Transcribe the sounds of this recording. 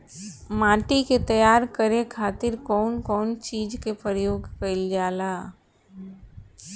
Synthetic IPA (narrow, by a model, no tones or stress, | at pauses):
maːʈiket̪ɐjaːɾkəɾekʰaːt̪ɪɾkɔːnkɔːnt͡ʃiːd͡ʒkepɾəjoːɡkɐɪld͡ʒaːlaː